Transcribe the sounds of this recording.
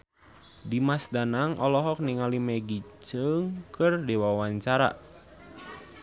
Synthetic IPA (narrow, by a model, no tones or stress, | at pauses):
dimasdanaŋʔɔlɔɦɔk̚niŋalimɛɡit͡ʃəŋkɨrdewawaɲt͡ʃaɾa̰